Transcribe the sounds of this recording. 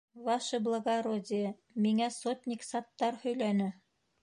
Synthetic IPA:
vɑʃɤblˠɤ̆ɡaɾod̪ʲɪ | miŋæsot̪ʲnʲɪksɑt̪ːɑɾhɵ̆jlænɘ

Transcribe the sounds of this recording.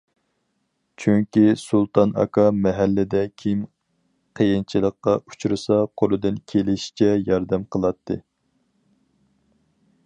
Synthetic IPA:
t͡ʃʰyŋkʲisulˠt̪ʰɑnɑ̰kʰɑmɛɦælːɪd̪ɛkʲʰim | qʰəjint͡ʃʰilˠəqːɑu̥t͡ʃʰuɾɨsɑqʰolˠɨd̪ɨnkʲʰelɪʃi̥t͡ʃʰɛjɑɾd̪ɛmqʰəlˠɑt̪ʰːɨ̰

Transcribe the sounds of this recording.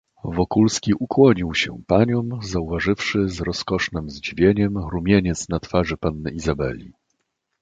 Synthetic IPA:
vɔkulskʲiʔukwɔɲiwɕɛ̰paɲɔmzauvaʐɘfʂɘzɾɔskɔʂnɘmzd͡ʑivʲjeɲɛmɾumʲjeɲɛt̪snat̪faʐɘpanːɘizabɛ̰lʲi

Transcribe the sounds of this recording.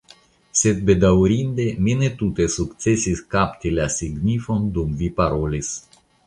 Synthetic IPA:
set̪̚bed̪aɾind̪eminet̪ut̪esukt̪sesiskapt̪ilasiɡnifond̪umvipaɾolis

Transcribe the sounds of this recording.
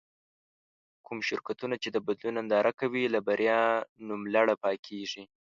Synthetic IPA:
kumʃɪɾkat̪unat͡ʃed̪əbad̪lunand̪ɑɾʔakawilabaɾjɑnumlaɽapɑkʰeʐi

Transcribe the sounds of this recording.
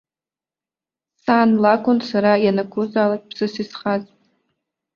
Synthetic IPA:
saːnlakʷʰʼʊnsaɾajanakʷʰʊzaːlakʼpʰsɨsisχazʼ

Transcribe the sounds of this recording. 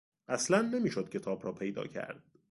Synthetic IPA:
ʔæslænːe̞miːʃod̪̥̚cʰe̞t̪ʰɒːbɾɒːpʰe̞jd̪ɒ̰ːcʰæ̰ɾd̪̥̚

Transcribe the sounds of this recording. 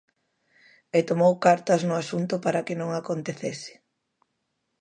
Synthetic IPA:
et̪omowkaɾt̪ɐznʊasunt̪ʊpaɾɐkɪnõŋakont̪eθesɪ̥

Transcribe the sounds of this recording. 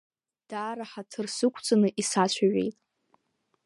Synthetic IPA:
d̥aːɾaħatʰɨrsɨkʷʰʼt͡sʼanɨʔisat͡ɕʷʰaɥḛjtʼ

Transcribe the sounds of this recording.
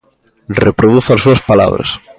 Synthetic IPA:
repɾoðuθasːuɐspala̰βɾɐ̰s

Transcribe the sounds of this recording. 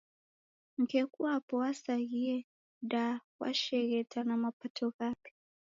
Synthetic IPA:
ŋ̩kekuwapɔwasaɣie | dawa̰ʃeɣetʰanamapatʰokape̥

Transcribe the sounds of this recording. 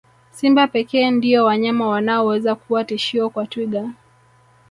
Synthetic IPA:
simbapɛkɛːndiɔwaɲamawanaɔwɛzakuwatiʃiɔkwatwiɠa

